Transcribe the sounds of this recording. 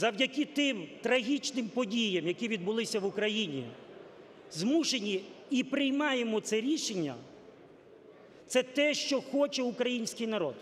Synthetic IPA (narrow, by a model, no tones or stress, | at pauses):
zɐwdʲɐkʲɪt̪ɪmt̪ɾɐɦʲit͡ʃnɪmpɔdʲijɐmjɐkʲiʋʲid̪̚bʊlˠɪsʲɐʋʊkɾɐjinʲḭ | zmuʃenʲiipɾɪjmɑjemɔt̪sɛɾʲiʃenʲːɐ̰ | t̪sɛt̪ɛʃt͡ʃɔxɔt͡ʃɛʊkɾɐjinʲsʲkɪjnɐɾɔd̪